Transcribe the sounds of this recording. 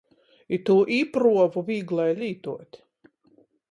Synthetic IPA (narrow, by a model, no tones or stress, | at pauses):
it̪uːʔiːpɾuɔvuvʲiːɡlˠajlʲiːt̪uɔt̪ʲ